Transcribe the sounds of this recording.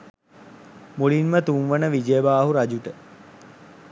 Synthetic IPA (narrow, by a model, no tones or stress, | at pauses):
muɭinmət̪uŋʋənəʋid͡ʒeːbaːɦuɾad͡ʒuʈə